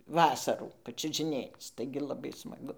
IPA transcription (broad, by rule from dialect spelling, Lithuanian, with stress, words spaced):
ˈʋɑːsɐruː pɐt͡ʃʲʊʒʲɪˈnʲeːt͡s ˈtɐɪɡʲɪ lˠɐˈbɐɪ smɐˈɡʊ